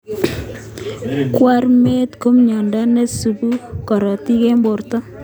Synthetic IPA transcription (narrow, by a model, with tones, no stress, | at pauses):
kwa˦ɾme˦t̪ko˦mɲɔ˨nda˦nɛ˦su˨bu˦kɔ˨ɾɔ˨ti˦ke˦mbo˨rtɔ˦